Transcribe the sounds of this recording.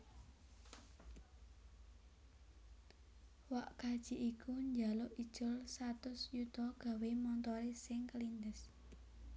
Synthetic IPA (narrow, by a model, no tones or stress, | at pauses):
waʔkad̥ʒ̥iʔikʰuɲd͡ʒa̤lʊʔid̥ʒ̥ʊlsat̪ʊsjut̪ɔɡ̥a̤wemɔnt̪ɔɾesɪŋkəlind̪əs